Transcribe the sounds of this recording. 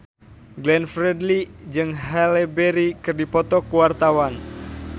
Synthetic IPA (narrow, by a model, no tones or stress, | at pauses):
ɡlɛnfɾɛdlid͡ʒɨŋɦɛlebeɾikɨrdipɔt̪ɔkuwart̪awan